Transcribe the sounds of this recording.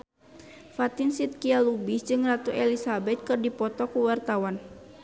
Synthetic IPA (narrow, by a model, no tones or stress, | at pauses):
fat̪insit̪̚kialubisd͡ʒɨŋrat̪uʔɛlisabɛt̪̚kɨrdipɔt̪ɔkuwart̪awan